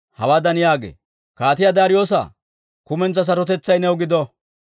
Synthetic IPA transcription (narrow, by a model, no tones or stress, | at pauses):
hɐwaːd̪ɐnɪjaːɡḛː | kaːt̪ɪjad̪aːɾɪjoːsa̰ | kʊmɛnt͡sːɐs̬ɐɾɔt̪ɛt͡sːɐjnɛwɡɪd̪ɔ